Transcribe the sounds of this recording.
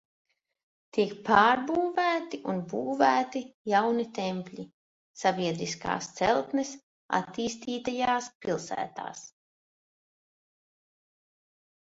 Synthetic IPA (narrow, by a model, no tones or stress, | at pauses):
t̪iɛkpaːɾbuːvæːt̪iʔunbuːvæːt̪ijawnit̪empʲlʲi | sabʲiɛd̪ɾiska̰ːst̪sɛ̰lˠt̪nɛs | a̰t̪iːst̪iːt̪ajaːspilˠsæ̰ːt̪a̰ːs